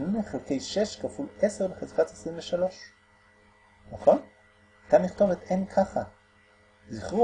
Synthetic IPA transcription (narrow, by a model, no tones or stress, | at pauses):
nuneχelke̞jʃe̞ʃkafuleseʁbeχezkatesʁiɱveʃalo̞ʃ | naχo̞n | at̪aniχt̪o̞vet̪enkʰaχa | ziχʁu